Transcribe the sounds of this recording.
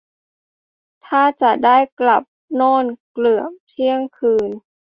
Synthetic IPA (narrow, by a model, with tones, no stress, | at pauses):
t̪ʰaː˥˩t͡ɕa˨˩daː˥˩jkla˨˩p̚nɔː˥˩nklɯ˨˩ət̪ʰi˥˩əŋkʰɯː˧n